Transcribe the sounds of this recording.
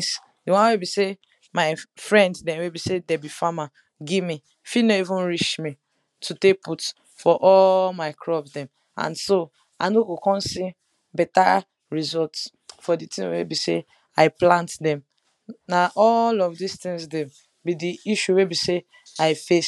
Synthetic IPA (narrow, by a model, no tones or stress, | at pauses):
s | diwãnwebise | maɪfɹɛ̃nddɛ̃nwebisedɛbifama | ɡimi | finoivũnɹiʃmi | tʰuteput | fɔʔɔlmaɪkʰɹɔbsdɛ̃m | ã̰nso | a̰noɡokɔ̃nsi | bɛta | ɹizɔlts | fɔditĩwḛbise | aɪplãntdɛ̃m | naʔɔlɔfdistĩŋsdɛ̃m | bidiiʃuwebise | aɪfe